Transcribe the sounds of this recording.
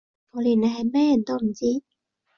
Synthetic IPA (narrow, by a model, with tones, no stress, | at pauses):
ŋɔː˨˧liː˨˩ne˨˧ɦɐ˨jmɛː˥jɐ˨˩nt̪o˥wm̩˨˩t͡siː˥